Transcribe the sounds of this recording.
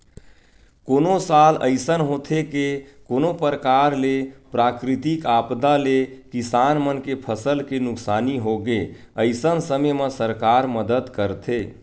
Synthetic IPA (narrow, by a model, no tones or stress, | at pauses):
koːnosalə̰ɪsənɦot̪ʰekekonopəɾəkaɾlepɾakɾit̪ikapd̪alekisanmənkepʰəsəlkenʊksaniɦoɡe | əɪsənsəməməsəɾkaɾməd̪əd̪kəɾt̪ʰe